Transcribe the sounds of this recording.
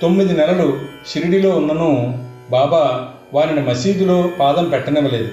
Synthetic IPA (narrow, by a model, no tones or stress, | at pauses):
t̪o̞mːid̪inɛlɐlu | ʃiɾiɽilo̞ːunːɐnuː | baːbaː | ʋaːɾinimɐsiːd̪ulo̞ːpaːd̪ɐmpɛʈːɐnɐʋɐle̞ːd̪u